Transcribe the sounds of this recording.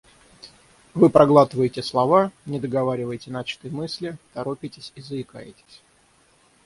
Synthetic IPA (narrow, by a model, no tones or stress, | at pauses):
vɨpɾɐɡlˠat̪ɨvəjɪtʲɪslˠɐvanʲɪd̪əɡɐvaɾʲɪvəjtʲɪnat͡ɕɪ̥t̪ɨjmɨsʲlʲɪt̪ɐɾopʲɪtʲɪsʲizəɪka̰jɪ̰tʲɪ̥sʲ